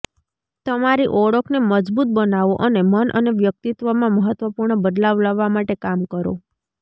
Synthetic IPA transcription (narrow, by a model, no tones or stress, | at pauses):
t̪əmaɾiʔɔɽəkneməd͡ʒbut̪̚bənaʋoʔənemənʔə̰neʋjək̚t̪it̪ʋəmãməɦət̪ʋəpuɾɳəbəd̪laʋlaʋːamaʈekamkəɾo̰